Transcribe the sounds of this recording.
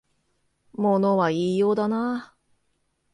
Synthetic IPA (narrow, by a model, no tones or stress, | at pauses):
mo̞no̞βaiːjo̞ːd̪ana